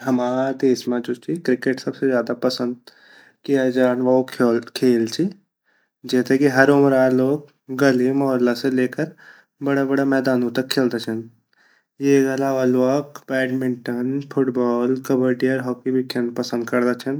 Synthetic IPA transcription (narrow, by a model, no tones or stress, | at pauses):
ɦɐmaːɾad̪eːsmãd͡ʒoːt͡ʃʰikɾɪkeʈsɐbsezjaːd̪apɐsə̃nd̪̚ | kijad͡ʒaːnʋɐɦokkʰeːlt͡ʃʰi | d͡ʒɛːt̪ekiɦɐɾʊmɾaːloːɡ̚ | ɡɐlimɔːɾlaseleːkəɾ | bɐɽabɐɽamɛːd̪aːnõt̪ɐkʰːeːld̪at͡ʃʰən | jeɡəlaʋəlʋəkpɛːʈmɪ̃ɳʈənfʰʊʈbɔːlkɐbəɾʈiɔːɾɦɔːkibʱikʰənpɐsə̃nd̪kɐɾd̪at͡ʃʰən